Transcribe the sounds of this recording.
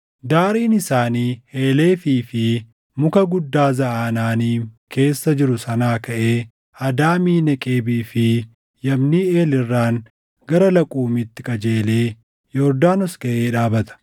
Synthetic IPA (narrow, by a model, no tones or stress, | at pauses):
d̪aːɾiːnɪsaːniːhe̞ːle̞ːfiːfɪ | mʊkɐɡʊd̪ːaːzɐʔaːnaːniːke̞ːsːɐd͡ʒɪɾʊsɐnaːkɐʔe̞ː | ɐd̪aːmiːnɐkʼeːbiːfɪ | jɐmniːe̞ːlɪrːaːŋ | ɡɐɾɐlɐkʼuːmit̪ːɪkʼɐd͡ʒeːleː | jɔɾd̪aːnɔskɐʔeːᶑaːbɐt̪ɐ̥